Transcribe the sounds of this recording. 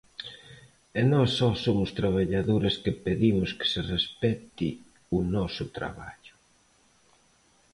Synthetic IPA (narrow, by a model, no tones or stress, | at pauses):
ɛnɔsːɔsomʊst̪ɾaβ̞aʎaðoɾɐskɪpeðimʊskɪ̥sɪrespɛt̪i | ʊnɔsʊt̪ɾa̰βa̰ʎʊ̥